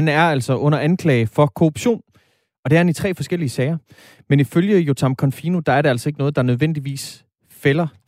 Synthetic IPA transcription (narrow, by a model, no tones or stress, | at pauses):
ænæɐæl̰sɒ̽ʔɔ̽n̰ɐʔænkʰlɛːɪfɒ̽kʰo̝ʁub̥ɕo̝̰ːn | ɒ̽d̥e̝æɐhænit͡sʰʁɛ̰ːfɒ̽sɡ̥el̰iəsɛɪɐ | meniføljəjot͡sʰɑ̈mkʰɒ̽nfiːnud̥ɑ̈æɐɾe̝æl̰sɒ̽e̝ɡ̥ənɔ̽ːð̞̩ˠd̥ɑ̈nøð̞ˠʋen̰d̥iʋḭːs | felɐ